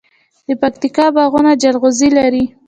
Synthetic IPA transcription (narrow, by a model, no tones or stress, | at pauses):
d̪̥əpakt̪ikɑbaɣunad͡ʒalɣʊzilaɾi